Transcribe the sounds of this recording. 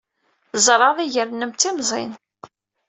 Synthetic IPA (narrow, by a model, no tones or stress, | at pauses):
zɾˤɑðˤiʝəɾnəmt̪ːimzˤḭn